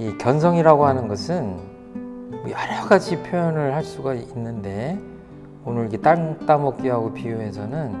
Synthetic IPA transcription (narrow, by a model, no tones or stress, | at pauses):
ikjʌns̬ʰʌŋiɾaɡoɦanɯnɡʌsʰɯn | mʌjaɾaɡad͡ʑʰipʰjojʌnɯɭhaɭs͈uɡainːɯnde̞ | onɯɾike̞t͈at͈amʌk͈̚iɦaɡopijoɦe̞sʰʌnɯn